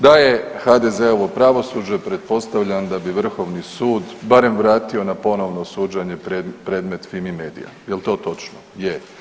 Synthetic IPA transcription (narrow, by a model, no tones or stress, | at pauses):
d̪aje̞xad̪ezeo̞ʋo̞pɾaʋo̞suːd͡ʒepɾe̞t̪̚po̞st̪aʋʎand̪abiʋr̩xo̞ʋnisuːd̪baɾe̞mʋɾaːt̪io̞napo̞no̞ʋnosuːd͡ʒaɲe̞pɾepɾe̞ːd̪me̞t̪fimime̞ːd̪ḭja̰jelˠt̪o̞ːt̪o̞t͡ʃnoje